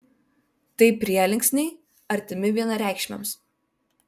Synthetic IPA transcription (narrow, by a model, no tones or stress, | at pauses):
t̪ɐɪpʲɾʲiɛlʲɪŋʲksʲnʲɛɪ | ɐɾʲt̪ʲɪmʲɪʋʲiɛnɐɾʲæˑɪkʃʲmʲɛ̰ms